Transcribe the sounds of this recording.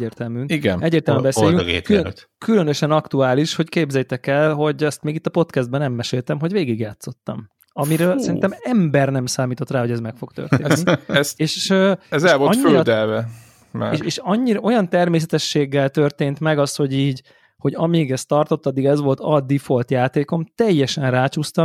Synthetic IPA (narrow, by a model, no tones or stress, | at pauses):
ɛɟeːrt̪ɛlmyŋiɡɛ̰nɛɟːeːɾrt̪ɛlmymbɛseːjyŋɡḛt̪kt̪kylønøʃɛnɒkt̪uaːliʃho̞ckeːbzɛjt̪ɛkɛlɦo̞ɟɛst̪meːɡit̪ːɒpo̞t̪kɛzd̪̚bɛnɛmːɛʃeːlt̪ɛmɦo̞ɟveːɡiɡjaːt̪so̞t̪ːɒ̰m | ɒmiɾøːlsɛɾinɛmɛmbɛrnɛmsaːmiːt̪o̞t̪raːɦo̞ɟɛzmɛkfo̞ɡt̪ø̰rt̪ḛːnːiseːʃøɛzɛlvolɒɲfːiøɾd̪ɛlvɛ | maʃeːʃɒɲːiɾɒʔo̞jɒnt̪ɛrmeːs̬ɛt̪ɛʃːeːɡːɛlt̪ø̞rt̪eːnt̪mɛɡɒst̪ho̞ɟiːɟ | ho̞ɟɒmiɡɛst̪ɒrt̪o̞t̪ːɒd̪ːiɡɛzʋo̞lt̪ɒd̪ifo̞lt̪jaːt̪eːko̞mt̪ɛjːɛʃɛnraːt͡ʃuːst̪ɒ